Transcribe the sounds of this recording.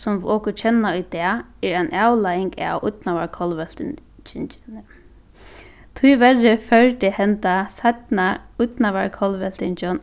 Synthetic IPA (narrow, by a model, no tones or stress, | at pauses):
sʊmɔːkʊt͡ʃʰɛnːaʊjd̪ɛːɛɹaɪnʔawlajɪŋka̰wʊ̰t̪naʋaɹkʰɔlʋɛl̥t̪ɪn | t͡ʃɪnɪn | t̪ʰʊjʋɛrɪfœɹt̪ɪhɛnt̪asat̪naʊt̪naʋaɹkʰɔlʋɛlt̪ɪnt͡ʃɔn